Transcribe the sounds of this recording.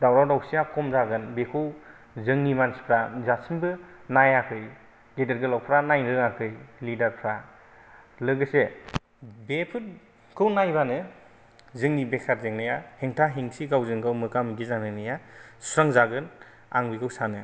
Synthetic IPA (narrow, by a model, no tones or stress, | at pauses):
dawɾawdawsijakʰɔmzaɡɯnbekʰɯw | zɯŋnimansi̥pʰɾazasɯmbɯnajakʰɯj | ɡedeɾɡɯlawpʰɾanajnɾɯŋakʰɯjlidaɾpʰɾa | lɯɡɯse | bepʰɯt | kʰɯwnajbanɯ | zɯŋnibekʰaɾzeŋnajaheŋtʰaɦiŋsiɡawzɯŋɡawmɯkamɡizanɯnɯjasuɾaŋzaɡɯn | a̰ŋbikʰɯwsanɯ